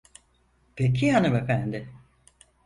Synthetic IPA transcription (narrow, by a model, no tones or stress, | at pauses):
pʰek̬ʰiɦanɯmefænd̪ɪ